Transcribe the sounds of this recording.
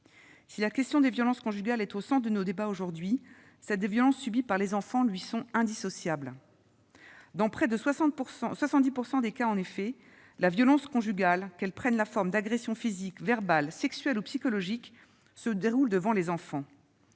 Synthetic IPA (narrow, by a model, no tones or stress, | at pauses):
silakʲɛst̪jɔ̃d̪evjɔlɑ̃skɔ̃ʒyɡʲalɛt̪osɑ̃d̪ənod̪ebaoʒuʁd̪ɥi | sɛt̪̚d̪vjɔlɑ̃sːybipaʁlezɑ̃fɑ̃lɥisɔ̃ɛ̃d̪isɔsjabl | d̪ɑ̃pχɛd̪əswasɑ̃pɑ̃swasɑ̃t̪̚d̪ipuʁsɑ̃d̪ekaɑ̃nefɛ | lavjɔlɑ̃skɔ̃ʒyɡʲalkɛlpχɛnlafɔʁmd̪aɡʁesjɔ̃fizikvɛʁbalsɛksɥɛlupsikɔlɔʒik | səd̪eʁuld̪əvɑ̃lezɑ̃fɑ̃